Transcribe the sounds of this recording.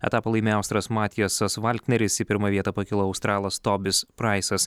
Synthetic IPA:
ɛ̰t̪ɑːpɐlˠɐɪmʲeɑʊst̪ɾɐsmɑːt̪ʲɪjosɐsʋɑlʲt̪ʲnʲɛɾʲɪsɪpʲɪɾmɐʋʲiɛt̪ɐpɐkʲɪlˠoɐʊst̪ɾɑːlˠɐst̪ɔːbʲɪspɾɑɪsɐs

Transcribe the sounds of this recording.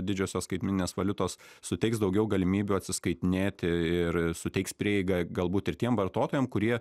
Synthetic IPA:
d̪ʲɪd͡ʒʲoːsʲoːskɐɪt̪ʲmʲɪnʲɪnʲeːsʋɐlʲʊt̪oːs | sʊt̪ʲɛɪksd̪ɐʊɡʲɛʊɡɐlʲɪmʲiːbʲuːɐt̪ʲsʲɪskɐɪt̪ʲɪnʲeːt̪ʲɪɪɾsʊt̪ʲɛɪkspʲɾʲiɛɛɪɡɐɡɐlˠbuːt̪ɪrt̪ʲiɛmʋɐrt̪oːt̪oːjɛmkʊɾʲiɛ

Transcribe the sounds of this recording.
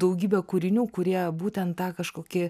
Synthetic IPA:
d̪ɐʊɡʲiːbʲɛːkʊɾʲɪnʲuːkʊɾʲiɛbuːt̪ʲɛnt̪tɑːkɐʃkoːkʲɪ

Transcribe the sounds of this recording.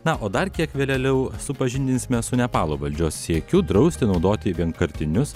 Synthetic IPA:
nɐʔoːd̪ɐrkʲiɛkʋʲeːlʲɛlʲɛʊsʊpɐʒʲɪnʲd̪ʲɪnʲsʲɪmʲɛsʊnʲɛpɑːlˠoːʋɐlʲd͡ʒʲoːsːʲiɛkʲuːd̪ɾɐʊsʲt̪ʲɪnɒʊd̪oːt̪ʲɪʋʲiɛŋkɐɾʲt̪ʲɪnʲʊs

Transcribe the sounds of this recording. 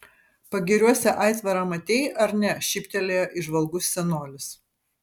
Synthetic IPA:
pɐɡʲɪɾʲuɔsʲɛʔɐˑɪt̪ʋɐɾɑːmɐt̪ʲeːjʔɐɾnʲɛʃʲɪpʲt̪ʲɛlʲeːjoːʔɪʒʋɐlˠɡʊsːʲɛnoːlʲɪs

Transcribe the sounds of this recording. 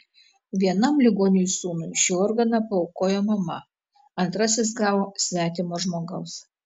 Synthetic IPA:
ʋʲiɛnɐmlʲɪɡoːnʲɪjusuːnʊɪʃʲuːɔːɾɡɐnɐpɐɔʊkoːjoːmɐmɐ | ɐnt̪ɾɐsʲɪs̬ɡɑːʋoːsʲʋʲæːt̪ʲɪmoːʒmoːɡɐʊs

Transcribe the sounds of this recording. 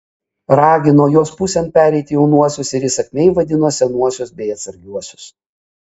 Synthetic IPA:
ɾɑːɡʲɪnoːjoːspusʲɛnt̪̚pʲæːɾʲɛɪt̪ʲɪjɛʊnuɔsʲʊsɪɾiːsɐkʲmʲɛɪʋɐd̪ʲɪnoːsʲɛnuɔsʲʊsbʲɛɪɐt̪sɐɾʲɡʲuɔsʲʊ̥s

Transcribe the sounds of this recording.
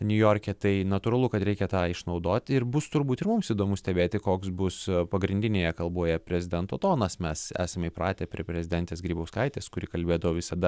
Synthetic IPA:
nʲʊjoːɾʲkʲɛt̪ɐɪnɐt̪ʊɾɐlˠʊkɐt̪ɾʲɛɪkʲɛt̪ɑːɪʃnɐʊd̪oːt̪ʲɪɾbʊst̪ʊɾbuːt̪ɪɾmʊmsiːd̪oːmʊsʲt̪ʲɛbʲeːt̪ʲɪkoːksbʊspɐɡɾʲɪnd̪ʲɪnʲeːjɛkɐlˠbuɔjɛpʲɾʲɛzʲɪd̪ʲɛnt̪oːt̪oːnɐsmʲɛsæ̰ːsɐmʲɪpɾɑːt̪ʲɛːpʲɾʲiɛpʲɾʲɛzʲɪd̪ʲɛnt̪ʲeːsɡɾʲiːbɐʊskɐɪt̪ʲeːskʊɾʲɪkɐlʲbʲeːd̪ɐʋoːʋʲɪsɐd̪ɐ

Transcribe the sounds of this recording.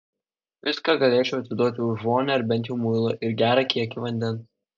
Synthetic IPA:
ʋʲɪskɑɡɐlʲeːt͡ʃʲɛʊɐt̪ʲsʲɪd̪uɔt̪ʲjɛʊʒmoːnʲɛɐɾbʲɛnt̪jɛʊmʊɪlˠoʔɪɾɡʲæːɾɑkʲiɛkʲiʋɐnʲd̪ʲɛns

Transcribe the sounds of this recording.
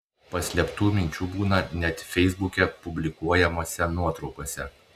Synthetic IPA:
pɐsʲlʲiɛpt̪uːmʲɪnʲt͡ʃʲuːbuːnɐnʲɛt̪fʲɛɪzbʊkʲɛpʊbʲlʲɪkuɔjɛmoːsʲɛnuɔt̪ɾɒʊkoːsʲɛ

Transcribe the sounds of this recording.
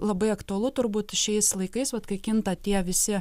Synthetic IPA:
lˠɐbɐɪɐkt̪uɐlˠʊt̪ʊɾbuːt̪ʃʲɛɪslˠɐɪkɐɪsʋɐt̪kɐɪkʲɪnt̪ɐt̪ʲiɛʋʲɪsʲɪ

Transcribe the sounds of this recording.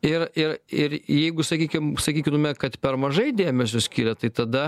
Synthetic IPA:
ɪrɪɾɪɾjɛɪɡʊsɐkʲiːkʲɪmsɐkʲiːkʲɪnmʲɛkɐt̪pʲɛɾmɐʒɐɪd̪ʲeːmʲɛs̬ʲʊsʲkʲiːɾʲɛt̪ɐɪt̪ɐd̪ɐ

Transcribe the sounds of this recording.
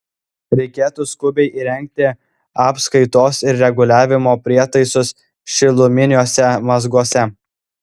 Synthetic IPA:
ɾʲɛɪkʲeːt̪ʊskʊbʲɛɪʔiːɾʲɛŋʲk̚t̪ʲɪ | ɑːpskɐɪt̪oːsɪɾɾʲɛɡʊlʲæːʋʲɪmoːpʲɾʲiɛt̪ɐɪsʊs | ʃʲɪlˠʊmʲɪnʲoːsʲɛmɐzɡuɔsʲɛ

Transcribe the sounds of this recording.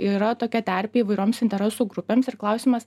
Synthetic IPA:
iɾɐt̪oːkʲɛt̪ʲæɾʲpʲeːiːʋɐɪɾʲoːmsɪnʲt̪ʲɛɾʲɛsuːɡɾʊpʲeːmsɪɾklˠɐʊsʲiːmɐs

